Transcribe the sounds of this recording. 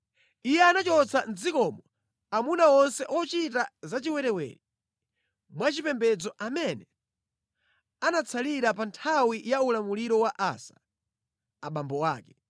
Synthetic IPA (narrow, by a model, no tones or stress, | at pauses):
ijɛanat͡ʃɔt͡sʰan̩d͡zikɔmɔ | amunaɔnsɛʔɔt͡ʃitazat͡ʃiwɛɾɛwɛ̰ːɾi | mwat͡ʃipɛmbɛd͡zɔʔamɛnɛ | anat͡sʰaliɾapantʰawijaulamuliɾɔwaʔa̰sḁ | aɓambɔwaːkɛ